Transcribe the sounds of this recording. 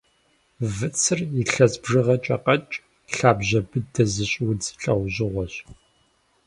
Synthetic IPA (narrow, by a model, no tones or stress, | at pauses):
vɨt͡sʰɨriɬɐzbʐɨʁɐt͡ʃʼɐqɐt͡ʃʼ | ɬaːbʑɐbɨdɐzɨɕʼwʊd͡zɬʼɐwʑɪʁʷɔɕ